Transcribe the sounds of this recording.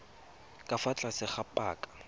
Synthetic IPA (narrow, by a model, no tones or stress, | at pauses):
kʼafat͡ɬʼasɪχapʼaːkʼḁ